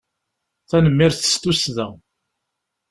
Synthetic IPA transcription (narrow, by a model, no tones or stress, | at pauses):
θænəmːɪɾθə̥st̪usðəʁ